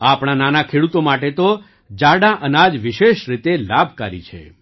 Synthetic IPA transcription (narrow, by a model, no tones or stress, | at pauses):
apɽ̃ananakʰeɽut̪omaʈet̪o | d͡ʒaɽaʔənad͡ʒʋiʃeʃɾit̪elabʱkaɾḭt͡ʃʰḛ